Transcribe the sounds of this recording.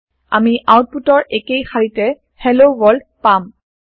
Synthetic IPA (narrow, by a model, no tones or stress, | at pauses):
a̰miʔawt̚putɔɹekejxaɹitɛ | hɛlowɔld | pam